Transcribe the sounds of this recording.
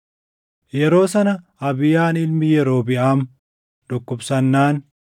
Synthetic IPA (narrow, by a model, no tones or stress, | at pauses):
jɛɾo̞ːsɐnɐ | ɐbɪjaːnɪlmɪjɛɾo̞ːbɪʔaːm | d̪̥ɔkːɔbsɐnːaːn